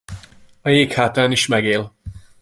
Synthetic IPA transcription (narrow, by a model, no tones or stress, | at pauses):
ɒjeːkhaːt̪aːniʃmɛɡeːl